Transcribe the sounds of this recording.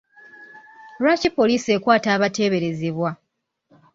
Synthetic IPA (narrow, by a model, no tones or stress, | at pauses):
ɾacipo̞liːsie̞ːkwaːtaːβate̞ːβe̞ɾe̞zeβwa